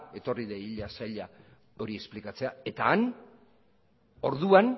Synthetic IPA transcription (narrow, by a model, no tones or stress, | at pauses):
e̞t̪o̞riðeiʎasaʎa | o̞ɾie̞splikat͡se̞ae̞t̪aːn | o̞ɾðuan